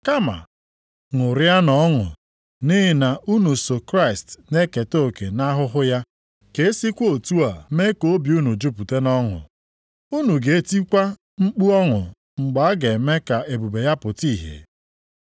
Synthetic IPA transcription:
ka˦ma̰˨ | ŋʊ˨ɾɪ˦a˦nɔ˦ŋʊ̰˨ | ni˦ɦɪ˨na˨ʔu˦nu˨so˨kɾa˦ɪ˨stne˦ke˨to˦˨ke˨na˦ɦʊ˦ɦʊ˦ja˦ | ke˨e˦si˦kʷo˨tu˦a˨me˦ko˨˦bi˨u˦nu˨d͡ʒu˦pu˨te˦nɔ˦ŋʊ̰˨ | u˦nu˨ɡe˨e˦ti˦kʷa˦ | ŋ͡m̩˦k͡pu˦ɔ˦ŋʊ˨ | ŋ͡m̩˨ɡ͡ba˨a˦ɡe˨me˦ka˨ʔe˨bu˨be˨ja˦pʊ˨ti˦˨ɦḛ˨

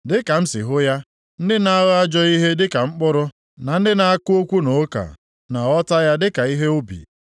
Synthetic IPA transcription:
dɪ˦ka˨m̩˦sɪ̰˨ɦʊ˦ja˦ | n̩˦dɪ˦na˦ɣa˦d͡ʒɔ˦i˦ɦe˦dɪ˦ka˨ŋ͡m̩˦k͡pʊ˦ɾʊ˦ | na˨n̩˦dɪ˦na˨a˦kʊ˦o˦kʷu˦no˨˦ka̰˨ | na˨ɔ˦ta˦ja˦dɪ˦ka˨i˦ɦe˦o˦bḭ˨

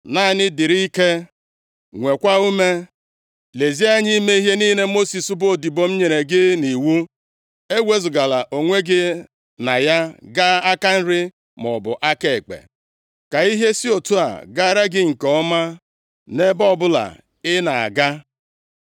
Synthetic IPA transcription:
na˦˨nɪ˦dɪ˨ɾi˦i˦ke˦ | ŋʷe˨kʷa˦u˦me˦ | le˨zi˦a˦ɲi˦me˦i˦ɦe˦niː˦ne˦mo˦si˨su˦bo˨˦˨di˨bo˨m̩˦ɲe˨ɾe˨ɡɪ˦ni˨wu˦ | e˦wʷe˦zʊ˨ɡa˨la˨ʔo˨ŋʷe˦ɡɪ˦ | na˨ja˦ɡa˦a˦ka˦n̩˦ɾɪ˦ | mɔ˨bʊ̰˨ʔa˦ke˨k͡pḛ˨ | ka˨i˦ɦe˦si˦o˨tu˦a̰˨ɡa˦ɾa˦ɡɪ˦ŋ̩˨kɔ˨˦ɔ˦ma˦ | ne˦bɔ˦˨bʊ˦la̰˨ | ɪ˦na˨a̰˨ɡa˦

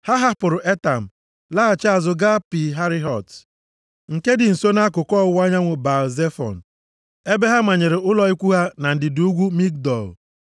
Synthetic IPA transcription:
ha˦ɦa˦pʊ˨ɾʊ˨ʔe˦ta˨m̩˨ | la˦a˨t͡ʃa˨zʊ˨ɡa˦pi˨ɦa˦ɾɪ˦ɦɔ˨t | ŋ̩˨ke˦dɪ˨n̩˨so˦na˦kʊ˨kɔ˦˨ʊ˦wa˦ɲa˦ŋʷʊ˨ba˨ze˦fɔ̰˨n̩˨ | e˦be˦ɦa˦ma˨ɲe˨ɾɪ˨ʊ˦lɔ˨i˦kʷu˦ɦa˦na˨n̩˨dɪ˨du˦ɡʷu˦mi˦k̚dɔ˨l

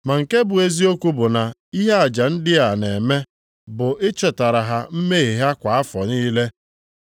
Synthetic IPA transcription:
ma˨ŋ̩˨ke˦bʊ˨e˦zi˦o˦kʷu˦bʊ˨na˨i˦ɦe˦a˨d͡ʒa˨n̩˦dɪ˦a˨ne˨me˦ | bʊ˨ʔɪ˦t͡ʃe˨ta˨ɾa˨ɦa˨m̩˦me˦i˨ɦa˦kʷa˨a˦fɔ˨niː˦le˦

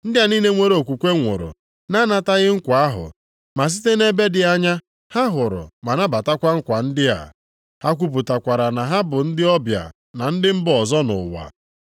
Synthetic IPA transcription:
n̩˦dɪ˦a˨ni˦ne˦ŋʷe˦ɾe˦o˨kʷu˨kʷe˦ŋʷʊ̰˨ɾʊ̰˨ | na˦na˨ta˦ɣɪ˦ŋ̩˦kʷa˨a˦ɦʊ̰˨ | ma˨s̬i̥˦te˦ne˦be˦dɪ˨a˦ɲa˦ | ha˦ɦʊ˨ɾʊ̰˨ma˨na˦ba˨ta˦kʷa˦ŋ̩˦kʷa˨n̩˦dɪ˦a̰˨ | ha˦kʷu˦p̬u˨ta˨kʷa˨ɾa˨na˨ɦa˦bʊ˨n̩˦dɪ˦ɔ˦bja̰˨ | na˨n̩˦dɪ˦m̩˦bɔ˨zɔ˦nʊ̰˨wa̰˨

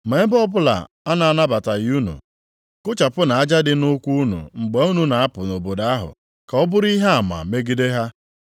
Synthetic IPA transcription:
me˨e˦bɔ˦bʊ˦la̰˨ | a˦na˨a˦˨na˦ba˨ta˨ju˦nṵ˨ | kʊ˦t͡ʃa˨pʊ˦na˨a˦d͡ʒa˦dɪ˦nʊ˦kʷu˦u˦nṵ˨ŋ͡m̩˨ɡ͡be˨u˦nu˨na˨a˦pʊ˨no˨bo˨da˦a˦ɦʊ̰˨ | ka˨ɔ˦bʊ˦ɾi˦ɦa˦a˨ma̰˨me˦ɡi˦de˦ɦa˦

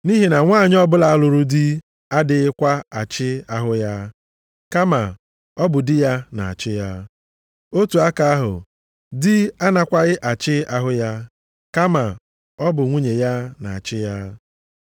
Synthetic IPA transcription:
ni˦ɦi˨na˨ŋʷaː˦˨ɲ˦ɔ˦bʊ˦la˨a˦˨lʊ˨ɾu˦dɪ˦ | a˦dɪ˦ɪ˦kʷa˦a˨t͡ʃɪ˦a˦ɦʊ˦ja˦ | ka˦ma˨ | ɔ˦bʊ˨dɪ˦ja˦na˨a̰˨t͡ʃɪ˦ja˦ | o˦tu˨a˦ka˦a˦ɦʊ̰˨ | dɪ˦a˦na˦kʷa˦ɣɪ˦ʔa˨t͡ʃɪ˦a˦ɦʊ˦ja˦ | ka˦ma˨ | ɔ˦bʊ˨ŋʷu˦ɲe˨ja˦na˨a˨t͡ʃɪ˦ja˦

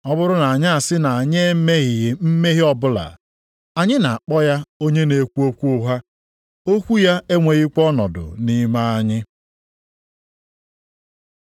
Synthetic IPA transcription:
ɔ˦bʊ˦ɾʊ˦na˨a˨ɲɪ˦a˨sɪ˦na˨a˨ɲe˦me˦ɣɪ˨ɣɪ˨m̩˦me˦ɣɪ˦ɔ˦bʊ˦la̰˨ | a˨ɲɪ˦na˨a˨k͡pɔ˦ja˦o˦ɲe˦ne˨kʷu˦o˦kʷu˦ʊ˦ɦa˦ | o˦kʷu˦ja˦e˦ŋʷe˨ɣɪ˦kɔ˦nɔ̰˨dʊ̰˨ni˦ma˦a˦ɲɪ˦

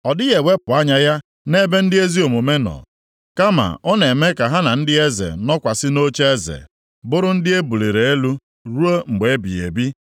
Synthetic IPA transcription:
ɔ˨dɪ˦ɣe˨we˦pʊ˨a˦ɲa˦ja˦ | ne˦be˦n̩˦dɪ˦e˦zi˦o˨mo˨me˦nɔ̰˨ | ka˦ma̰˨ɔ˦ne˨me˦ka˨ɦa˦na˨n̩˦dɪ˦e˦zḛ˨nɔ˦kʷa˨sɪ˦no˦t͡ʃe˦e˦zḛ˨ | bʊ˦ɾʊ˦n̩˦dɪ˦e˦bu˨le˨ɾe˨e˦lu˦ | ɾu˦o˦ŋ͡m̩˨ɡ͡be˨e˦bi˨ḛ˨bi˦

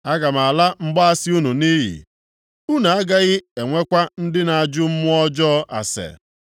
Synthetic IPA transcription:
a˦ɡa˨m˨a˨la˦m̩˦ɡ͡ba˦a˦sɪ˦u˦nu˨ni˦ɦḭ˨ | u˦na˨a˦ɡa˦ɣɪ˦e˨ŋʷe˦kʷa˦n̩˦dɪ˦na˨a˨d͡ʒʊ˦m̩˦mʊ˦ɔ˦d͡ʒɔ˦a̰˨sḛ˨

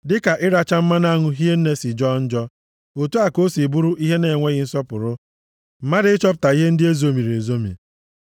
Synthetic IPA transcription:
dɪ˦ka˨ʔɪ˦ɾa˦t͡ʃa˦m̩˦ma˦na˦ŋʊ˦ɦi˦e˦n̩˦ne˦si˨d͡ʒɔ˦n̩˦d͡ʒɔ˦ | o˨tu˦a˨ko˦si˨bu˦ɾu˦ʔi˦ɦe˦ne˨ŋʷe˦ɣɪ˦n̩˦sɔ˦pʊ˨ɾʊ˦ | m̩˨ma˦ɾɪ˦t͡ʃɔ˦p̬ʊ̥˨ta˨i˦ɦe˦n̩˦dɪ˦e˦zo˦mi˨ɾe˨zo˦mḭ˨

